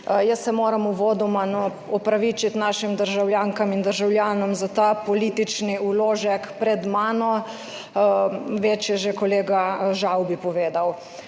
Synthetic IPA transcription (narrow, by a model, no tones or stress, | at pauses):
jəsːɛmoːɾɐmuʋoːd̪ɔmanɔ | ɔpɾaʋiːt͡ʃit̪naːʃimd̪əɾʒawljaːŋkamind̪əɾʒawljaːnɔmzat̪aːpɔliːt̪it͡ʃniuloːʒɛkpɾɛd̪maːnɔ | ʋeːt͡ʃjɛʒekɔleːɡaʒawbipɔʋeːd̪aw